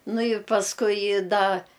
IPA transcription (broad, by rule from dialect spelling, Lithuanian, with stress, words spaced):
ˈnʊ ɪ pɐsˈkʊɪ ˈdɐ